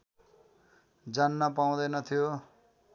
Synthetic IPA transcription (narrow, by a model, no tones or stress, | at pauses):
d͡zanːʌpaw̃d̪ʌjnʌt̪ʰijo